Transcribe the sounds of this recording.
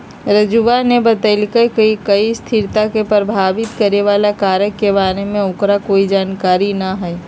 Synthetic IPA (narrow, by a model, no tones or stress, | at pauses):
ɾəd͡ʒuʋanebət̪əlkəkəikɐist̪ʰɪɾt̪akepɾəbʱaːʋɪt̪kəɾeʋaːlakaːɾjəkːebaːɾemẽʊkɾakoːid͡ʒaːnkaːɾinaɦɛː